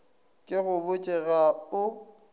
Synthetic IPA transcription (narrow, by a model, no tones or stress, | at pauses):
kʼɪɣʊbʊt͡ʃʼɛɣaʊ